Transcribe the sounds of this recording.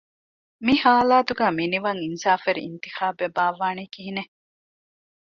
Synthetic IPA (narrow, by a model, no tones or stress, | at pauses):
mihaːlaːt̪uɡæːminiʋɐŋinsaːfeɾiḭnt̪ixaːbebaːʋaːnekiɦine